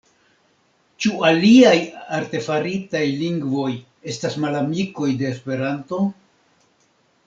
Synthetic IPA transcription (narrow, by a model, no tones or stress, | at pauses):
t͡ʃualiajaɾte̞faɾitajliŋɡvo̞j | e̞stasmalamiko̞jde̞ːspe̞ɾanto̞